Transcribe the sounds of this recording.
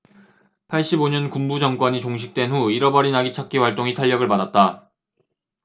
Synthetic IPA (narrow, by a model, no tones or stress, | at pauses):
pʰaɭɕ͈iboɲʌnkumbud͡ʑʌŋkwʌɲit͡ɕoŋɕ̬ʰi̥k̚t͈we̞nɦuiɾʌbʌɾinaɡit͡ɕʰak̚k͈iwaɭt͈oŋitʰaʎːʌɡɯɭpadat̚t͈a